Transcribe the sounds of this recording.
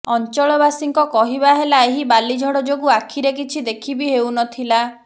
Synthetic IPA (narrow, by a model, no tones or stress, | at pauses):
ɔnt͡ʃɔɭɔbasiŋkɔkɔɦibaɦelaeɦibalid͡ʒʱɔɽɔd͡ʒoɡuakʰiɾek̬it͡ʃʰid̪ekʰibiɦewnɔt̪ʰila